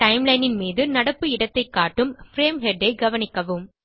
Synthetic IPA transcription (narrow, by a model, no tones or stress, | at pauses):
ʈɐɪmlɐɪnɪnmiːðɯnɐɽɐpːɯɪɽɐt̪ːɐɪkːaːʈːɯmfɾeːmhɛɖːɐɪɡɐʋɐnɪkːɐʋɯm